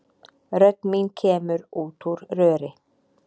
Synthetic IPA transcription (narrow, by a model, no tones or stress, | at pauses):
ɾœt̪minkʰeːməɾuːt̪ʰuɾɾøːɾɪ